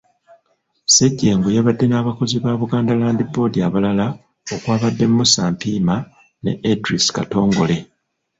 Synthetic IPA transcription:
seɟːe̞ːŋɡojaβadːe̞naːβako̞ziβaːβuɡaːndalaːndibo̞ːdiaβalala | o̞kwaːβadːe̞mmusaːmpiːma | ne̞̰edɾiska̰to̞ːŋɡo̞̰le̞

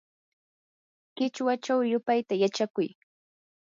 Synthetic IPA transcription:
kɪt͡ʃwat͡ʃawjʊpajt̪ajat͡ʃakʊj

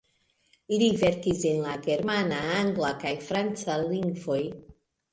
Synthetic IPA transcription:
ilive̞ɾkise̞nlaɡe̞ɾmanaaŋɡlakajfɾant͡saliŋɡvo̞j

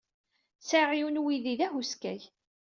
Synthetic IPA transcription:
saʁiwnwiðiðæɦuskæ̰j

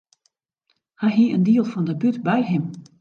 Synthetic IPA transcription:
hɛjɦiəndiəlˠfɔndəbytbɛjɦɪm

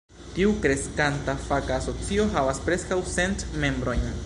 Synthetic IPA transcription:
tiukɾe̞skantafakaːso̞t͡sio̞ɦavaspɾe̞skawsentme̞mbɾo̞jɲ

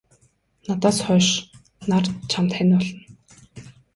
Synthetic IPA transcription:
nat̪aːsχœːʃ | nart͡ɕʰamt̪χænpɔɮɞ̆n

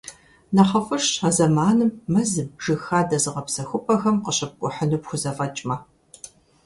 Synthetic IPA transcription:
nɐχɐfʼɨʂazɐmaːnɨmːɐzɨmʒɨxaːdɐzɨʁɐpsɐxʷʊpʼɐxɐmqəɕʼɐp̚kʷʼʊħənuːpxʷʊzɐfʼɐt͡ʃʼmɐ

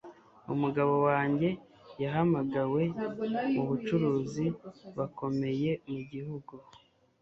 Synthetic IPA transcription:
ṵmuɡaβo̞waːɲɟe̞ | jaɦamaɡawe̞uβut͡ʃuɾuːziβako̞me̞je̞muɟihuɡu

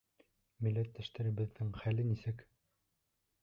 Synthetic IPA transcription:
mĭlːæt̪ːæʃt̪æɾɘ̆bɘ̆ðːɘŋχælɘnisɘk

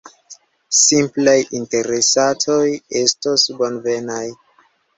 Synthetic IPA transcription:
simplajinte̞ɾesatʰo̞je̞stosbo̞nve̞naj

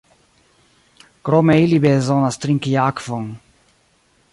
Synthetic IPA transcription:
kɾɔmɛilibɛzɔnast̪ɾiŋkijakfɔŋ

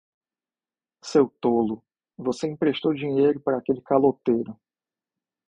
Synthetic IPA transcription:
sewt̪olʊ | voseĩpɾeʃt̪owd͡ʒĩɲejɾʊpaɾɐakelɪkalot̪ejɾʊ

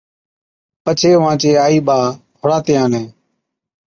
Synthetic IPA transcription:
pət͡ʃʰeːʋãːt͡ʃeːaːiːɓaːpʰʊɽaːt̪ɪjãːnẽː

